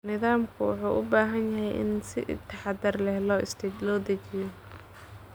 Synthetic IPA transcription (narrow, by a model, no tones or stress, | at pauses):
nɪðaːmkʰʊwʊ̰ħṵːʔʊbaːɦɐnjɐɦɛjʔɪ̰nsɪ̰t̪ʰɐħɑd̪ɐrlɛhlɔːʔɪst̪lɔːd̪ɐt͡ʃɪjɔ